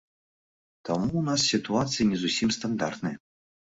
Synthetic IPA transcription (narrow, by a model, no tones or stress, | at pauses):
t̪amunas̬ːʲit̪uat̪sɨjinʲɛzusʲimst̪and̪a̰rt̪nɨjɐ